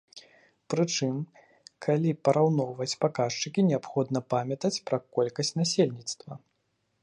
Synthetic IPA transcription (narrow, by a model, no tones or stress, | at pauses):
pɾɨt͡ʂɨm | kʰalʲipɐɾawnɔwvɐt͡sʲpakaʂt͡ʂɨkʲinʲɛapxɔd̪nɐpamʲɐt̪ɐt͡sʲpɾɐkɔlʲkɐsʲt͡sʲnasʲelʲnʲit̪st̪vɐ